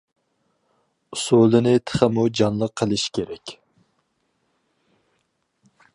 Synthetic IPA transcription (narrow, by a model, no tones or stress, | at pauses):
usulˠɨnɪt̪ʰə̥χəmud͡ʒɑnlˠəqʰːəlˠɨʃi̥kʲʰeɾɛkʲ